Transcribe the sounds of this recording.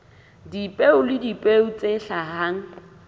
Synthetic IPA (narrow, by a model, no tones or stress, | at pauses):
dipʼeʊlɪdipʼeʊt͡sʼeɬahaŋ̩